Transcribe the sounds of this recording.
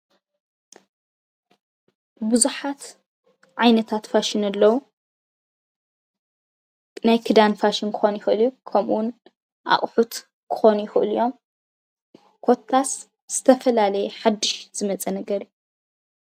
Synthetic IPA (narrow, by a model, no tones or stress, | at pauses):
bɨzuħat̪ | ʕajnɐt̪ʰat̪faʃɪnɐlːɐwu | najkʰɨd̪anfaʃɪnkʰɨ̥xo̞njɪxʔɨljukʰɐmuwn | ʔa̰χʼħut̪ | kʰɨ̥xo̞nujɪxɨʔɨljo̞m | kʰo̞t̪ʰːas | z̥ɨt̪ʰɐfɐlalɐjɛħad̪ːɨʃz̥ɨmɐt͡sʼɐnɐɡɐɾiju